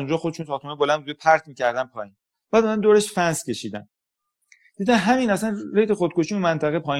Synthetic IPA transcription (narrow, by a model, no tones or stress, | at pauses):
und͡ʒɒːxod̪eʃunsɒːɾt̪ʰomebolænbud̪epʰæɾt̪ʰmiːcʲʰæɾd̪æmpʰɒːjiːn | b̥æːd̪ɒnænd̪oːɾeʃfænscʲe̞ʃiːd̪æ̰n | d̪̥iːd̪æmɦæminæsænɾejt̪ʰexod̪̚kʰoʃiunmænt̪ʰæɣepʰɒːi